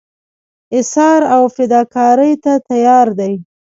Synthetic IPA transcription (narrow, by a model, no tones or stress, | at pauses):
ɪsɑɾawfɪd̪ɑkɑɾəjt̪at̪ajɑɾd̪aj